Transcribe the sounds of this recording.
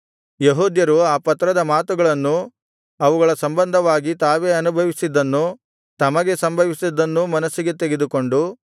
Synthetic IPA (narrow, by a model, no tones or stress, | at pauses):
jeɦuːd̪jɐɾuaːpɐt̪ːɾɐd̪ɐmaːt̪uɡɐɭɐnːu | ɐʋuɡɐɭɐsɐmbɐnd̪ʱɐʋaːɡit̪aːʋe̞ːɐnubʱɐʋisid̪ːɐnːu | t̪ɐmɐɡe̞sɐmbʱɐʋisid̪ːɐnːumɐnɐsːiɡe̞t̪eɡe̞d̪uko̞ɳɖu